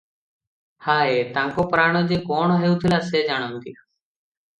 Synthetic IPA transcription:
haːet̪ãːŋkoːpəɾaːɳ̃oːd͡ʒeːkoːɳoɦeːuːt̪ʰɪlaːseːd͡ʒaːɽ̃oːnt̪ḭː

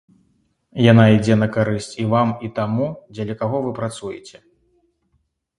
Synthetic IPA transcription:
janaid͡zʲɛnɐkaɾɨsʲt͡sʲivamit̪amud͡zʲɐlʲɐkaɣɔvɨpɾat̪sujɛ̰t͡sʲɛ

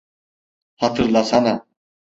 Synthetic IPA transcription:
hat̪ʰɯɾlˠasana

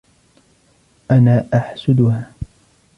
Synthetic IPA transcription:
ʔanaːʔaħsʊd̪ʊhaː

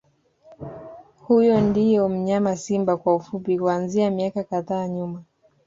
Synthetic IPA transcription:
hujɔndijɔm̩ɲamasimbakwaufupikuanziamiakakaðaːɲuma

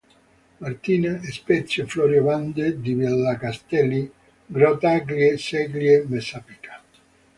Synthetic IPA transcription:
maɾt̪ineespɛt̪sjoflɔɾjovand̪ed̪ivɛlːakast̪ɛlːi | ɡɾɔt̪aɡljesɛɡljemesapikḁ

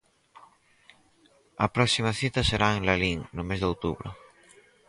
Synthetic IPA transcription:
ɐpɾɔksimaθit̪aseɾaeŋlaliŋnʊmezðowt̪uβɾʊ̰

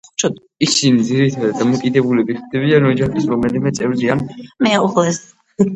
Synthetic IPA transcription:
χu̥t͡ʃʰa | isinid̪ziɾit̪ʰad̪ad̪amɔkʼid̪ɛbulɛbit̪ʰd̪ɛβianɔd͡ʒaχisɾɔmɛlimɛt̪sʼɛvɾzianmɛauχlɛs

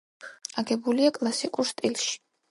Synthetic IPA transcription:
aɡɛbuliakʼlˠasikʼuɾst̪ʼilˠʃi̥

